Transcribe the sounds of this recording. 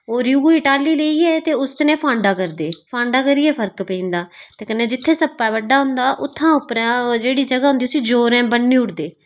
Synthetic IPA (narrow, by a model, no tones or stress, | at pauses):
oːɾjuːɪʈaːliːləiːɛːt̪eːʊst̪nẽːpʰãːɳɖaːkəɾd̪eːpʰãːɳɖaːkəɾiːɛːpʰəɾkpẽĩːnd̪aːt̪eːkənːẽːd͡ʒɪt̪ʰːeːsəpːaːʋəɖːaːɦʊ̃nd̪aːʔʊt̪ʰːãːʊpːɾãːd͡ʒeːɽiːd͡ʒəɡaːɦʊ̃nd̪iːʊsĩːd͡ʒoːɾɛ̃ːbəɳːiːʊʈd̪eː